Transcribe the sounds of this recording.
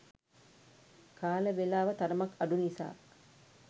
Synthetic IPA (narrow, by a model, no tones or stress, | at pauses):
kʰaːləʋelaːʋɐt̪ɐɾɐmɐkːɐɖunisa̰ː